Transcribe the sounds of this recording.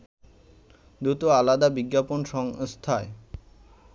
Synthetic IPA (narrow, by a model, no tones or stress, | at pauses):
d̪ɾut̪oalad̪abiɡːaponʃɔŋst̪ʰae